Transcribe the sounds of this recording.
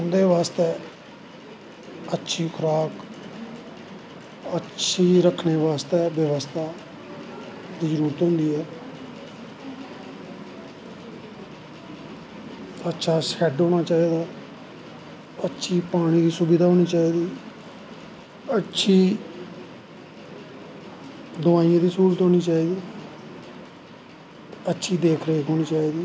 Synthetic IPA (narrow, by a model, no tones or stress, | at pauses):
ʊnd̪eːʋaːst̪eː | ətːʃʰiːkʰʊɾaːk | ətːt͡ʃʰiːɾəkʰneːʋaːst̪eːʋəʋəst̪ʰaː | d̪iːd͡ʒəɾuːɾət̪ɦʊ̃nd̪iːɛː | ətːʃʰaːsɛɖɦoːñaːt͡ʃaːid̪aː | ətːʃʰiːpaːɽ̃iːd̪iːsubiːd̪aːɦoːniːt͡ʃaːiːd̪iː | ətːʃʰiː | d̪ʊʋaːijãːd̪iːsuːɾət̪ɦoːniːt͡ʃaːiːd̪iː | ətːʃʰiːd̪eːkʰɾeːkʰɦoːñiːt͡ʃaːiːd̪iː